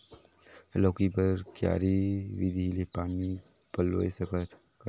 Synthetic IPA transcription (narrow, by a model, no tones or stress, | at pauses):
loːkipəɾkja̰ːɾiʋɪd̪ʱilepaːni | pəlo̰ːesɐkət̪ʰ | kə